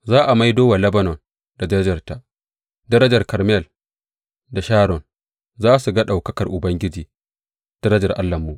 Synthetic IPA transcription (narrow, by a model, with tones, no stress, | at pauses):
zaː˦ʔa˨ma˦jdoː˦wa˨lɐ˦bɐ˦nɔ˨n | da˨dɐ˦ɾɐ˦d͡ʒɐ˨rta˦ | dɐ˦ɾɐ˦d͡ʒɐ˨rkɐ˨ɾmɛ˦˨l | da˨ʃaː˦ɾɔ˨n | zaː˦su˨ɡa˦ɗa˨wkɐ˦kɐ˨rʔʊ˨bɐ˦ŋɡʲɪ˦d͡ʒiː˨ | d̥ɐ˦ɾɐ˦d͡ʒɐ˨rʔa˦lːɐ˨mːu˨ʔ